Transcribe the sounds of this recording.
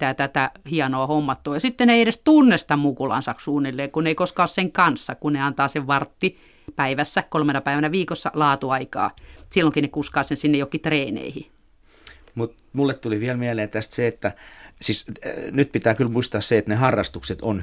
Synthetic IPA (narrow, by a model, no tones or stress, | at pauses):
t̪æːt̪æt̪æhiɑnoɑhomːɑt̪ːoːjɑsit̪ːeneieɾest̪unːest̪ɑmmukulɑ̰nsɑkssuːnːilːeːkuneikoskɑosseŋkɑnsːɑkunneɑnt̪ɑːseʋʋɑrt̪ːi | pæiʋæsːækolmenɑpæiʋænæʋiːkosːɑlɑːt̪uɑikɑ̰ːsilːoŋkinekuskɑːsensinːejokːit̪reːnḛihḭ | mut̪ | mulːett̪uliʋiælmiæleːnt̪æst̪seet̪ːæsiːsnyt̪̚pit̪æːkylmuist̪ɑːsseet̪nehɑrːɑst̪ukset̪on